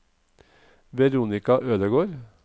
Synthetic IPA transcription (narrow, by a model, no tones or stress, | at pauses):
ʋɛɾuːnɪkɑʔøːd̪əɡoːɾ